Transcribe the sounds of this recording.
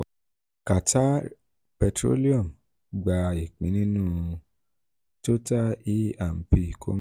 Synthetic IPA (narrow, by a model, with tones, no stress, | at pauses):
ka˨ta˦ | pɛ˧tɾo̰˦li˦ɔ˦˨m | ɡ͡ba˨˧i˨k͡pĩ˨˦nĩ˦nũ˦ | to˦ta˦i˦a˦˨m̩˨pi˦˨ko̰˦